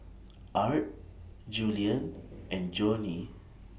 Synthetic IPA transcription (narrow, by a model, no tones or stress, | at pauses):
ʔaɹt̚ | d͡ʒuliə̃nʔɛ̃nd͡ʒoni